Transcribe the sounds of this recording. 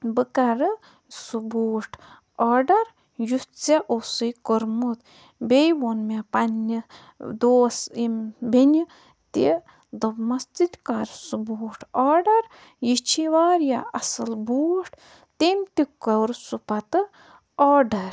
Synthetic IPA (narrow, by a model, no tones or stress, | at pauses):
bɨkɐɾɨ | suboːʈ | ɔːɖɐɾ | jut͡seʔosɨjkoɾmut̪ | bejwonmepanːi | d̪oːsimbenʲi | t̪i | d̪ɐmɐst̪it̪ʲkaɾsuboːʈʰaːɖɐɾ | jit͡ʃʰiʋaːɾjaɐsɨlbuːʈ | t̪emʲt̪ikɐɾsupɐt̪ɨ | ɔːɖɐɾ